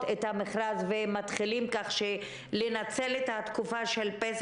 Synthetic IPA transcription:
tet̪hameχɾazvemat̪χilimkaχʃe | lenat͡selet̪hat̪kufaʃe̞lpes

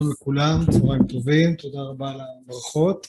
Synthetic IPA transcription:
mlekulamtovaimt̪o̞vimt̪o̞d̪aʁabalabʁaχo̞t̪

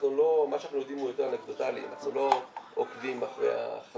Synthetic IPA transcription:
nulo̞maʃanaχnujo̞d̪imujot̪eʁalekd̪ot̪alḭmaaχnulo̞okvimaχʁḛa̰χ

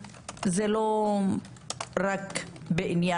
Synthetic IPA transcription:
zelo | ɾakbeʔinja

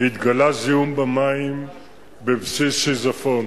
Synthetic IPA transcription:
it̪ɡalaziumbamaim | bevsisizafon

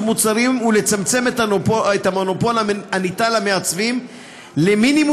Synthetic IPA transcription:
mut͡saɾimule̞t͡samt͡se̞metoet̪amono̞po̞laanitalame̞at͡svim | le̞minim

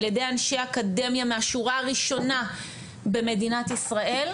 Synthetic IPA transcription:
ljedejanʃejaakade̞mjameaʃuʁaːʁiʃo̞na | be̞me̞dinat̪isʁaʔe̞l

